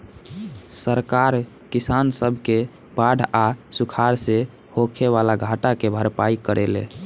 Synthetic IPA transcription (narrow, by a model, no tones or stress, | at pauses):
səɾkaɾ | kisansəbʱke | baɽʱasukʰaɾse | hokʰeβalaɡʱaʈakebʱəɾpaikəɾelḛ̃